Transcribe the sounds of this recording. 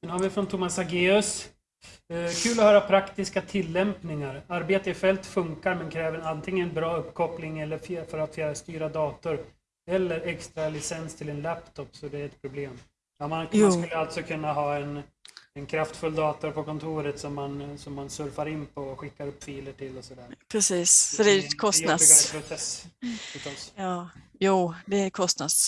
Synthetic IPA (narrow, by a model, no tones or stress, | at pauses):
sɛnhaɾvɪfɾɔnt̪ʰuːmasaɡeːɵs | kʰʉ̟ːlɔhœːɾapʰɾakt̪ɪskat̪ʰɪlːɛmpnɪŋaɾaɾbeːt̪əɪfɛlt̪fɵŋkaɾmɛnkʰɾɛːvəɛnant̪ʰɪŋːənɛnbɾɑːɵpːkʰɔplɪŋɛlːəɾfjfœɾat̪fjœːɾast̪yːɾad̪ɑːt̪ʊɾ | ɛlːəɾɛkst̪ɾalɪsɛnst̪ʰɪlɛnlæpt̪ʰɔpːsɔd̪ɛɾɛt̪̚pʰɾʊbleːm | jmanaːskɵlːəalt̪sɔkʰɵnːaɦɑːɛnɛnkʰɾaft̪fɵlːd̪ɑːt̪ʊɾpʰɔkʰɔnt̪ʰuːɾət̪sɔmːansɔmːansɵɾfaɾɪnːpʰɔɧɪkːaɾɵpːfiːləʈʰɪlːɔsɔd̪æːpʰɾɛsiːssɔd̪ɛʉːkʰɔst̪napʰɾʊsɛsʉt̪ʰɔsjɑːjuːd̪ɛkʰɔst̪nas